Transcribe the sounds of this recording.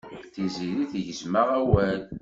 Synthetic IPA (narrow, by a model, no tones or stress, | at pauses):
θiziɾiθʝəzməʁæwæl